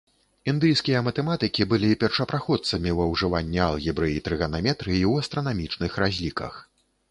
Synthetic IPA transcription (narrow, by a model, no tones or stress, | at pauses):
ind̪ɨjskʲijɐmɐt̪ɛmat̪ɨkʲibɨlʲipʲɛrʂɐpɾaxɔt̪sɐmʲiwɐwʐɨvanʲːɛɐlˠɣʲibɾɨit̪ɾɨɣɐnamʲɛt̪ɾɨjiwɐst̪ɾɐnamʲit͡ʂnɨxɾazʲlʲikɐ̰x